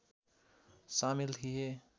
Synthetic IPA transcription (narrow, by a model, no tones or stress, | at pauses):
saːmilt̪ʰie